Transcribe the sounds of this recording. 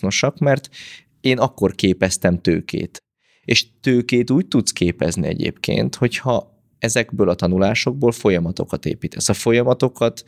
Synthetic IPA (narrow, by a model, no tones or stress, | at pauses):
no̞ʃɒkmɛrt̪ | eːnɒkːo̞rkeːpɛst̪ɛmt̪ø̰ːkḛːt̪ | eːʃt̪øːkeːt̪uːc̚t̪ut̪skeːpɛznḭɛ̰ɟḛːpkḛːnt̪ho̞chɒ | ɛzɛɡbøːlɒt̪ɒnulaːʃo̞ɡ̚boːlfo̞jɒmɒt̪o̞̰kɒt̪ḛːpiːt̪ʰɛsːɒfo̞jɒmɒt̪o̞kɒt̪